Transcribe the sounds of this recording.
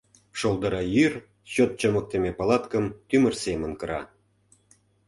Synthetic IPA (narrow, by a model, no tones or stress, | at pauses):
ʃolˠd̪əɾɑjyr | ɕot̪̚t͡ɕəmək̚t̪emepɑlˠɑt̪kəmt̪ymə̆rsemə̆nkɤ̆ɾɑ̰